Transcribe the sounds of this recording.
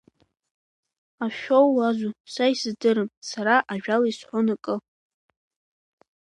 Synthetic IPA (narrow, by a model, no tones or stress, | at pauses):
aʃᶣowːazʷusaisɨzdɨɾɨmsaɾaʔaʒᶣalaisħʷʊnakʼɨ